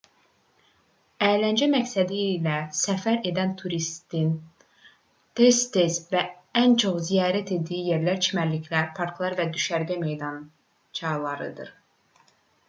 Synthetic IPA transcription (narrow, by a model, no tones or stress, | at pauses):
æːlænd͡ʒæmæcsæd̪ilæsæfæɾe̞d̪ænt̪ʰuɾist̪in | t̪ʰest̪ʰesvæ | ænt͡ʃʰoχzijɑːɾæt̪ʰe̞d̪ijije̞ɾlæɾt͡ʃʰimæɾlicʰlæɾpʰɑɾkʰlˠɑɾvæd̪yʃæɾɡæme̞jd̪ɑn | t͡ʃʰɑlˠɑɾɯ̰d̪ɯɾ